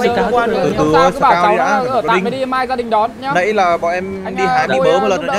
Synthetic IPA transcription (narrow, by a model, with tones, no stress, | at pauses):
t̪ɨ˨˩t̪ɨ˨˦˧saː˩kaː˧wi˧la̰ː˧˥˦əː˧˩˨a˨˩i˧˨˦ɗi˧maː˧jzaː˧ɗï˨˩ŋ̟ɗɔ˨˦˨ɲaː˨˦nə̰˧˥˦jlaː˨˩ɓɔ̰˧˨ʔɛ˧m | ɗi˧ɦaː˧jmɨ˧məː˨˦m˧˩˨lə˨˩n˨˩˨ɲa˦